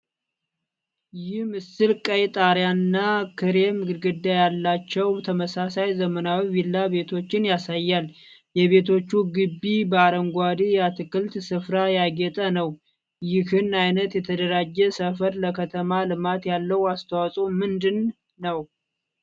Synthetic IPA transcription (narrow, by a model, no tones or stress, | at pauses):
jɪhmɨsɨlkʼəjt̪ʼaɾjanɨnːakʰɨɾemɨɡɨɾɡɨd̪ːajalːat͡ʃːɛwt̪ʰəməsasajzəmənawiwilːaβe̞t̪ʰo̞t͡ʃːɪnjasajːal | jɛβe̞t̪ʰo̞t͡ʃːuɡɨbːibəaɾəŋɡʷad̪ijat̪ʰɨkɨlt̪sɨfɾajaɡɛt̪ʼənəw | jɪhɨnajnət̪jɛt̪ʰəd̪əɾad͡ʒːɛsəfəɾləkʰət̪ʰəmalɨmat̪jalːəwast̪ʰəwasʼomɨnd̪ɨnː | əw